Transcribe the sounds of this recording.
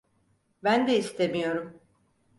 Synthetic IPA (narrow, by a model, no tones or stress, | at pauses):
bænd̪ɛist̪ʰemijo̞ɾum